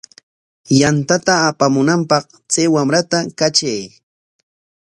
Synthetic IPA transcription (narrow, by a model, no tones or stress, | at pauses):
jant̪at̪aːpamʊnampɑq | t͡sajwamɾat̪akat͡ʃaj